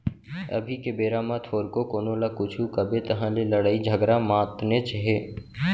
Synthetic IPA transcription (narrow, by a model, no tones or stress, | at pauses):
ə̰bʱikebeːɾaːmãt̪ʰoːɾkokoːnoːlakʊt͡ʃʰukəbet̪əɦãleləɽaːid͡ʒʱəɡɾamãːt̪neːt͡ʃɦeː